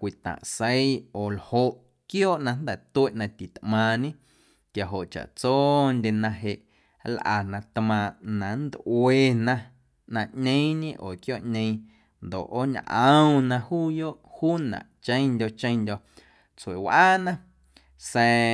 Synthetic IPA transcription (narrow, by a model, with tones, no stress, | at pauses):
kʷi˨t̪ã̰˨ʔsə˦joː˨lho˧ʔ | kjoː˦ʔnã˧nd̪ɛ˨t̪u˦e˦ʔnã˧t̪i˨t̪ʔmãː˧ɲẽ˦ | kja˨ɦo˨ʔt͡ʃa̰˨ʔt͡soː˦ndʲe˧nã˧ɦe˧˨ʔ | lʔa̰˨nã˧t̪mã˧nã˨nd̪ʔweː˧nã˧ | nã˧ʔɲẽ˦ĩɲẽ˦ʔoː˨kjoː˦ʔɲʲẽ˧ | nd̪o̰˨ʔo˦ɲʔə̃˦w̃nã˧huː˦joː˦ʔhuː˦nã̰˨ʔt͡ʃə̃˦j̃ndʲo˧t͡ʃə̃˦ndʲo˧ | t͡swe˨wʔaː˦nã˦ | sɛː˧